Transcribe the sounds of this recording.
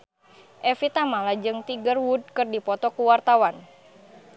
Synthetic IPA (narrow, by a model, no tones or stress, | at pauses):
ʔɛfit̪amalad͡ʒɨŋt̪iɡərwud̚kɨrdipɔt̪ɔkuwart̪awan